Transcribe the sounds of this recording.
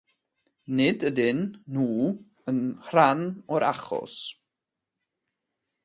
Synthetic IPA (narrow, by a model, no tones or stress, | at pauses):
nɪdədɪnːuː | ənhranɔɾʔaχɔ̰s